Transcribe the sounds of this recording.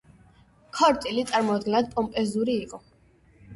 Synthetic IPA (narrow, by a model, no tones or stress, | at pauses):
kʰɔɾt̪ʼilit̪sʼaɾmɔad̪̚ɡɛnad̪̥̚pʼɔmpʼɛzuɾiːqʼɔ